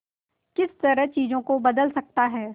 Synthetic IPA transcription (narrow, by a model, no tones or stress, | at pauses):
kɪst̪ɐɾəɦt͡ʃiːzõkobɐd̪əlsɐk̚t̪aɦɛː